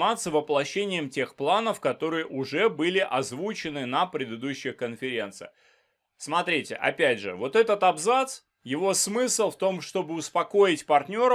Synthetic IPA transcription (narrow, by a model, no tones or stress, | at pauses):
mat̪səvəplˠɐɕːenʲɪjəmtʲe̞xplˠanəfkɐt̪o̞ɾɨjəʔʊʐɛbɨlʲɪʔɐzvut͡ɕɪnɨnəpɾʲɪd̪ɨd̪uɕːɪjəkənfʲɪɾʲe̞nt̪sɨ̰jə | smɐt̪ɾʲitʲɪ̰ʔɐ̰pʲædʲʐɨ̰vo̞t̪ɛt̪ət̪ɐbzat̪s | jɪvo̞smɨsɨlˠft̪o̞mʂt̪o̞bɨʊspɐko̞ɪtʲpɐrtʲnʲo̞ɾə